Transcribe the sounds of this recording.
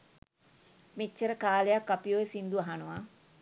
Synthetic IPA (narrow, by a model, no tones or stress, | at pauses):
mit͡ʃːəɾəkaːlejakːapijoːesind̪uaɦanuʋa